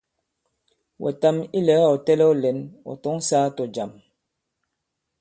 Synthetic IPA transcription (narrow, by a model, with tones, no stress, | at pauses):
wʔɛ̰˨ta˦mi˦lɛ˨˦ɔ˨tɛ˦lɛ˦ɔ˦lɛ˨˦nɔ̰˨tɔ˦ŋsaː˦to˨d͡ʒa˨m